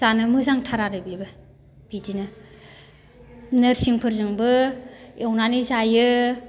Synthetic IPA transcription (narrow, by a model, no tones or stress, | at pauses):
zanɯmɯzaŋtʰaɾaɾɯbibɯ | b̥idinɯ | nɯɾsiŋpʰɯɾzɯŋbɯewnanizajɯ